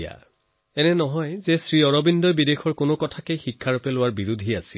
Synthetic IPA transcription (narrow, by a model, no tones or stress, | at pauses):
a̰ | ɛnɛnɔɦɔjzɛsɹiɔɹɔbindɔjbidexʰɔɹkonokɔtʰakejxikʰːaɹɔpɛlʊwaɹbiɹudʱiasil